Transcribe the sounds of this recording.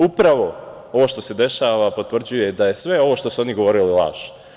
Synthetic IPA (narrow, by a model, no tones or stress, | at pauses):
upɾaʋo̞ | o̞ʋoːʃt̪o̞se̞d̪e̞ʃaʋapo̞t̪ʋr̩d͡ʑujed̪aje̞sʋe̞o̞ʋo̞ːʃt̪o̞suo̞niɡo̞ʋo̞ɾililˠa̰ːʃ